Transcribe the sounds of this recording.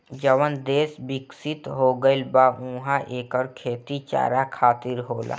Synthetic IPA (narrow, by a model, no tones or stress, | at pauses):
d͡ʒəʋənd̪eːsbɪksɪt̪ɦoːɡəlbaũːɦaʔeːkɔːɾkʰeːt̪it͡ʃa̰ːɾakʰaːt̪ɪɾɦoːla̰ː